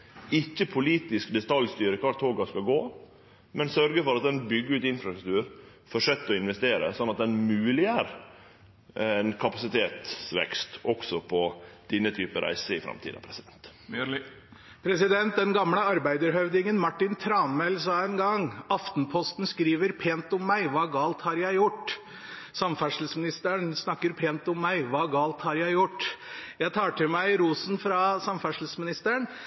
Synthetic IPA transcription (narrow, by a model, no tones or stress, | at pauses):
ɪçːəpʰʊliːt̪ɪskd̪ɛt̪ʰɑljst̪yːɾəkʰɑʈt̪ʰoːɡɑskɑɡoː | mɛnsœɾɡəfɔɾɑt̪̚d̪ɛnbʏɡːəʉːt̪ɪnfɾɑst̪ɾʉk̚t̪ʉːɾ | fɔʂœt̪ːɔɪnʋɛst̪eːɾə̰sɔnːɑt̪̚d̪ɛnmʉːlɪæɾ | ɛnkʰɑpɑsɪt̪ʰeːt̪sʋɛ̰kst̪ɔksɔpʰɔd̪̥ɪnːət̪ʰyːpəɾʔæ̰ɪsəɪfɾɑ̰mt̪ʰḭːd̪ɑ̰pʰɾɛsɪd̪ɛnt̪ | pʰɾɛsɪd̪ɛnt̪̚d̪ɛnɡɑmləɑɾbæɪd̪əɾɦœʉd̪ɪŋənmɑʈːɪnt̪ʰɾɑːnmɛlsɑːɛnɡɑŋɑft̪npʰɔst̪n̩skɾiːʋəɾpʰeːnt̪ɔmːæɪʋɑːɡɑːlt̪hɑɾjæɪjʊʈː | sɑmfæʂl̩smɪnɪst̪əɳsnɑkːəɾpʰeːnt̪ɔmːæɪʋɑːɡɑːlt̪hɑɾjæɪjʊʈːjæɪt̪ʰɑːʈɪlmæɪɾuːsn̩fɾɑsɑmfæʂl̩smɪnɪst̪əɳ